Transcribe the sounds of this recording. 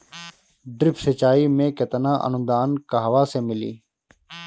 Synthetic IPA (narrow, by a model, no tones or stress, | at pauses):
ɖɾɪpsət͡ʃaːiːmẽːkət̪ənãːʔə̰nʊ̃d̪aːnkaɦʋaːsẽːmɪlḭː